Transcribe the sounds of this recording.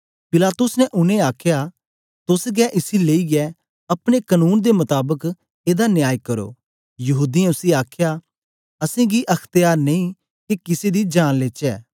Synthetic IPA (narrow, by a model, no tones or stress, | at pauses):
pɪlaːt̪ʊsnɛ̃ʔʊnẽaːkʰja | t̪ʊsɡɛʔɪsileːiɡɛ | ɐpɽ̃ekənuːnd̪emɐt̪aːbək | eːd̪anjaːjkɐɾo̰ː | jɐɦuːd̪iɛ̃ʊsiaːkʰja | ɐsẽɡiʔɐkʰt̪ɪjaːɾnẽĩː | kikɪsed̪id͡ʒaːnleːt͡ʃɛː